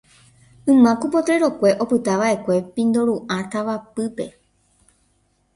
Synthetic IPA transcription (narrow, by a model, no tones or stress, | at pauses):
ɨ̃mãkupo̞t̪ɾeɾo̞kʷe̞ʔo̞pɨt̪aʋaʔe̞kʷe̞pĩnd̪o̞ɾuʔãt̪aʋapɨpe̞